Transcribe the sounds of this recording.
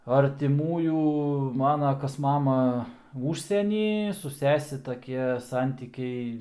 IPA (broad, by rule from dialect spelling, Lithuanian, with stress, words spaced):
ɐrʲtʲɪˈmuːjuː ˈmɑːnɐ ˈkɐs ˈmɑːmɐ ˈʊʃʲsʲiɛnʲiː sʊ ˈsʲæːsʲɛ tɐˈkʲiɛ ˈsɐnʲtʲiːkʲɛɪ